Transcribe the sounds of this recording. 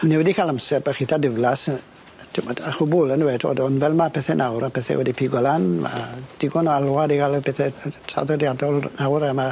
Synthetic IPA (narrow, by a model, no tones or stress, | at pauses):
nɛwɛdikʰalamsɛrmaχitʰadɪvlas | tʰɪmɔdaχʊbʊlənwɛtʰo̰dɔnvɛlˠmapʰɛθɛnʔawɾapʰɛθɛ̰wɛdipʰiɡɔlanma̰d̥ɪɡɔnɔalwadiɡaləpʰɛθɛtʰa̰ðɔdjadɔlˠnawɾama